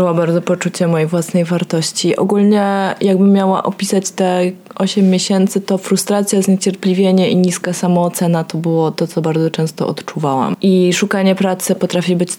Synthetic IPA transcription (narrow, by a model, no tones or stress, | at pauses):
ɨwabaɾd̪ɔpɔt͡ʂut͡ɕɛmːɔjejvwasnɛjvaɾt̪ɔɕt͡ɕiʔɔ̰ɡulɲɛjaɡ̚bɘmʲːjawa̰ʔɔpʲisat͡ɕt̪ɛʔɔɕɛmʲːjeɕɛnt̪sɘt̪ɔfɾust̪ɾat̪sʲjazɲet͡ɕɛɾpʲlʲivʲjeɲɛʔiɲiskasamɔːt̪sɛnat̪ɔbɘwɔt̪ɔt̪sɔbaɾd̪zɔt͡ʂɛ̃w̃st̪ɔ̰ʔɔ̰t̪t͡ʂuvawa̰mʔiʂukaɲɛpɾat̪sɘpɔt̪ɾafʲibɘt͡ɕ